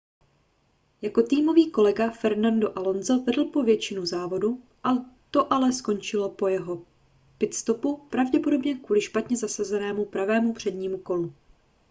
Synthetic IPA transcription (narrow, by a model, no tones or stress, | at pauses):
jako̞t̪iːmo̞viːko̞lɛɡafɛɾnando̞ʔalo̞nzo̞vɛdl̩po̞vjɛt͡ʃɪnuzaːvo̞du | ʔat̪o̞ʔalɛsko̞nt͡ʃɪlo̞po̞jɛɦo̞ | pɪt̪st̪opupɾavɟɛpo̞do̞bɲɛkvuːlɪʃpat̪ɲɛzasazɛnɛːmupɾavɛːmupr̝̥ɛdɲiːmuko̞lu